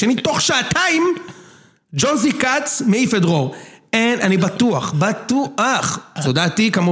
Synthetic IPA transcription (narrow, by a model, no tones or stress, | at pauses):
enit̪oχʃaːt̪aim | d͡ʒonzikat͡smeifedʁoenanibatuaχbatuʔaχtod̪aːt̪ikamu